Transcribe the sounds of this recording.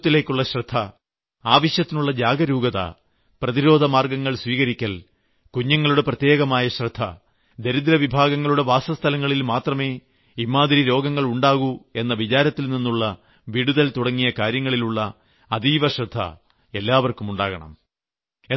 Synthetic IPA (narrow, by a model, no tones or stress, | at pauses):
t̪ːile̞ːkːuɭːɐɕrɐd̪ʱːɐ | aːʋɐɕjɐt̪ːinuɭːɐd͡ʑaːɡɐɾuːɡɐðɐ̰ | prɐðiɾo̞ːd̪ʱɐmaːrɡɐŋːɐɭswiːɣɐɾikʲːɐl | kuɲːɐŋːɐɭuɽe̞prɐt̪je̞ːɣɐmaːjɐɕrɐd̪ʱːɐ | d̪eɾud̪ɾɐʋibʱaːɡɐŋːɐɭuɽe̞ʋaːsɐst̪ʰɐlɐŋːɐɭilmaːt̪rɐmeː | imːaːd̪ɐɾiɾo̞ːɡɐŋːɐɭuɳɖaːɣue̞nːɐʋit͡ɕaːɾɐt̪ːilninːuɭːɐ | ʋiɽuðɐlt̪uɽɐŋːijɐkaːɾjɐŋːɐɭiluɭːɐː | d̪iːʋɐɕrɐd̪ʱːɐ̰ | e̞lːaːʋɐrkumuɳɖaːɣɐɳɐ̰m | e